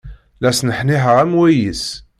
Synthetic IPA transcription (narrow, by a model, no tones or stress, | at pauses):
læsnəħniħəʁæmwæjis